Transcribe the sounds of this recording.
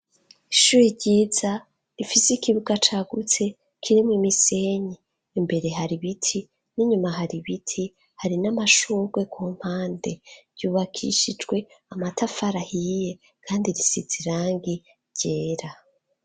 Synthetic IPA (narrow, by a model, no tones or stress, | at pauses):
iʃuːɾiɾɟiːza | ɾifisikiβuɡat͡ʃaɡut͡se̞ | kʰiɾimŋimise̞ɲiː | mbe̞ɾe̞ɦaɾiβitʰi | niɲumaɦaɾiβitʰi | haɾinamaʃuːɾɡwe̞kum̥haːnde̞ɾɟuːβakʰḭʃid͡ʒɡwe̞amatʰafaɾahije̞ | kʰaːndiɾisiziɾaːŋɡi | ɾɟ̥e̞ːɾa